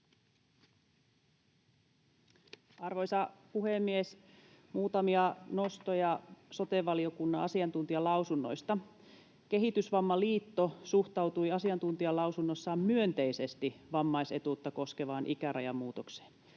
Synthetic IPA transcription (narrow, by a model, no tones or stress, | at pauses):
ɑrʋo̞jsɑpuhemːies | muːt̪ɑmiɑno̞st̪ojɑso̞t̪eʋːɑlio̞kunːɑɑsiɑnt̪unt̪iɑlɑusunːo̞̰jst̪ɑ | ke̞ɦit̪ysʋɑmːɑliːt̪ːo̞suht̪ɑwt̪ujɑsiɑnt̪unt̪iɑlɑwsunːosːɑːmmyø̞nt̪eise̞st̪iʋɑmːɑjse̞̰t̪ut̪ːɑko̞ske̞ʋɑːnʔikæɾʔɑjɑmːuːt̪okse̥ːn